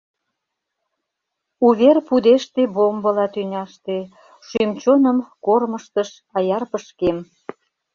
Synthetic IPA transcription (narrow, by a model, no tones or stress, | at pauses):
uβerpud̪eʃt̪ebombə̆lɑt̪ynʲɑʃt̪e | ʃymt͡ɕonəmkorməʃt̪əʃ | ɑjɑrpəʃkem